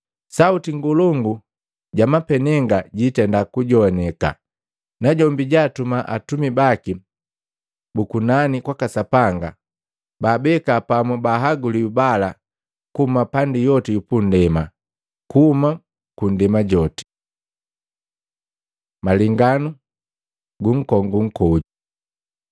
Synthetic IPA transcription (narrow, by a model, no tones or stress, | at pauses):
sautiŋɡulɔŋɡu | ɟamapɛnɛŋɡaɟitɛndakuɟɔnɛka̰ | naɟɔmbiɟaːtumaʔa̰tumibaki | bukunanikwakasapaŋɡa̰ | baːbɛkapamubaɦaɡuliubala | kumapandijɔtijupun̩dɛma | kuhuma | kun̩dɛmaɟɔti̥ | maliŋɡanu | ɡuŋ̩kɔŋɡuŋ̩kɔu